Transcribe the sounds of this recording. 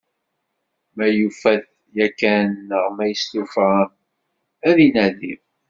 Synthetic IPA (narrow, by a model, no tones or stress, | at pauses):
mæjufæθ | jækːænːəʁmæjəst̪uf | æðinæðiv